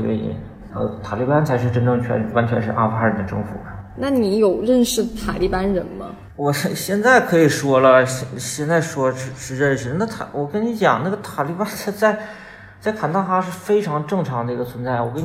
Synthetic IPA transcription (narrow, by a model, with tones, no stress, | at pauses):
t̪wḛ˥˩ḭ˧˩ | ə˥˧t̪ʰa˨˩li˥˩pa˥nt͡sʰa˧˥ɪʂɻ̩˥˧ʈ͡ʂə˥nʈ͡ʂɤ˥˩ŋt͡ɕʰɥɛ̰˧˥nwa˧˥nt͡ɕʰɥɛ˧˥nʂɻ̩˥˧ʔa̰˥˩fa˥ɻə˧˥nd̪ə˧ʈ͡ʂɤ̰˥˧ŋfṵ˨˩na˥˩ni˧˥jo˨˩ʊɻə˥˧nʂɻ̩˥˩t̪ʰa̰˨˩li˥˩pa˥nɻə˧˥nmɐ̰˧ | wɔ˨˩ʂɕjɛ˥˧nt͡sa˥˩ɪkʰɤ˧˥i˨˩ʂwɔ˥lə˨ɕɕjɛ˥˧nt͡sa˥˩ɪʂwɔ˥ʂɻ̩˥˧ʂɻ̩˥˧ɻə˥˩nʂɻ̩˧˩na˥˩t̪ʰa˨˩wɔ˨˩kə˥nni˧˥t͡ɕjɑ̰˨˩ŋna˥˩ɡə˩t̪ʰa˨˩li˥˧pa˥nt͡sa˧˥t͡sa˥˧ɪ | t͡sa˥˩ɪkʰa˨˩nt̪ɑ˥˧ŋxa˥ʂɻ̩˥˩fe˥ɪʈ͡ʂʰɑ˧˥ŋʈ͡ʂɤ˥˩ŋʈ͡ʂʰɑ˧˥ŋd̪ə˧i˧˥ɡə˧t͡sʰwə˧˥nt͡sa˥˩ɪwɔ˨˩kə˥n